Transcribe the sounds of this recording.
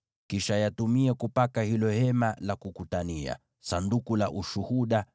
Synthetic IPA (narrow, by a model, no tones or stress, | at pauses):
kiʃajatumiɛkupakahilɔhɛmalakukutania̰ | sandukulaʔuʃuhuɗa